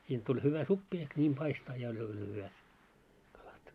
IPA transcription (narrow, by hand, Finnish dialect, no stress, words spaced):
siːnt tulʲ hyʋæ supːi ehk nʲiːm pɑistɑː jɑ olʲ olʲ hyʋæt kɑlɑt